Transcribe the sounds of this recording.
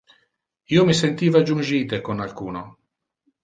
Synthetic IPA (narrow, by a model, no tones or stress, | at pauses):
iːomisent̪iːvad͡ʒund͡ʒiːt̪ekonalkuːno